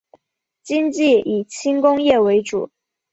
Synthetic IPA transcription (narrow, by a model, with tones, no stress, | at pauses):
t͡ɕi˥ŋt͡ɕi˥˩i˨˩t͡ɕʰi˥ŋkʊ˥ŋjɛ˥˩we˧˥ɪʈ͡ʂṵ˨˩˦